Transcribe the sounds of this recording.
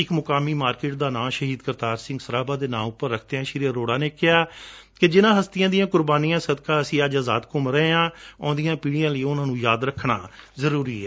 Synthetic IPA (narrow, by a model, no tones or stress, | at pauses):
ɪkmʊkaːmiːmaːɾkeːʈd̪aːnãːʃəɦiːd̪kəɾt̪aːɾsɪ̃ŋɡsəɾaːbaːd̪eːnã̰ːmʊpːəɾːəkʰt̪eːãːʃɪɾijəɾoːɽaːneːkɪaː | kɪd͡ʒɪnãːɦəst̪ɪjãːd̪ɪjãːkʊɾbaːnijãːsəd̪kaːəsĩːəd͡ʒaːza̰ːd̪kʊmɾɛeãːɔ̃ːd̪ijãːpiːɽijãːləiːʊnãːnũːjaːd̪ɾəkʰːɳaːzəɾuːɾiːɛː